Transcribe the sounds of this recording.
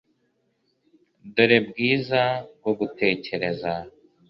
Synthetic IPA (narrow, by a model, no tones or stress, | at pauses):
duɾeb̚ɡiːzaɡoɡutʰe̞ːce̞ɾe̞za